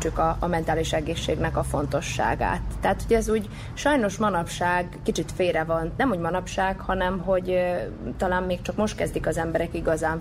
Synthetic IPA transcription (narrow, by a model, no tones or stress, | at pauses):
t͡ʃːukɒːmɛnt̪aːliʃɛɡeːʃːeːɡnɛkɒfo̞n̪t̪o̞ʃːa̰ːɡa̰ːt̪ːɛɦat̪hoɟɛzuːɟ | ʃɒjno̞ʃmɒnɒpʃaːɡkit͡ʃit̪feːɾɛvɒnnɛmuːɟmɒnɒpʃaːɡhɒnɛmɦo̞ɟ | t̪ɒlaːmmːeːk̚t͡ʃɒkmo̞ʃt̪̚kɛzd̪ikɒzɛmbɛɾɛkiɡɒzaːɱ